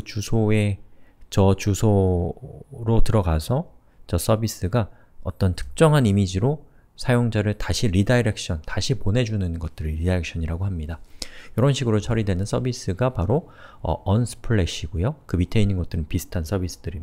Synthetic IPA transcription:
kɯt͡ɕusʰoe̞t͡ɕʌt͡ɕusʰo | ɾotɯɾʌɡasʰʌ | t͡ɕʌs͈ʌbis͈ɯɡa | ʌt͈ʌntʰɯ̥k̚t͡ɕ͈ʌŋɦanimid͡ʑiɾo | sʰajoŋd͡ʑaɾɯɭtaɕʰiɾidaiɾek̚ɕ͈ʌntaɕʰiponɦe̞d͡ʑunɯnɡʌt̚t͈ɯɾɾidaek̚ɕ͈ʰʌɲiɾaɡoɦamɲidajʌɾʌnɕʰiɡɯɾot͡ɕʰʌɾidwe̞nɯns͈ʌbis͈ɯɡapaɾo | ʌ̰ʌnsʰɯ̥pʰɯɭːeɕʰiɡojokɯmitʰeiɲinɡʌt͈ɯɾɯnpisʰɯ̥tʰans͈ʰʌbis͈ɯ̥dɯɾi

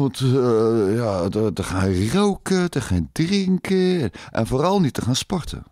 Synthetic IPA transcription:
ʋɔnt | jadədəxanrowkədəxandrɪŋkʰənʔɛ̰nfoːrɔlˠnitəxaːnspɔrtʰə̰

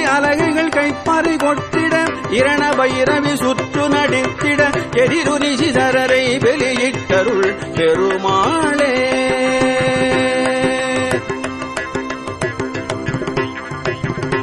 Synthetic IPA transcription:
ɐlɐɪɣɐɪɣɐɭkɐɪpːɐɾɐɪkɔʈːɪɽɐ | ɪɾɐɳɐbɐjɪɾɐʋisʊt̪rɯnɐɽɪt̪ːɪɽɐkɛɾɪɾʊnɪsisɐɾɐɾɐɪʋɛlɪjɪʈːɐɾɯɭ | pɛɾɯmaːɭeː

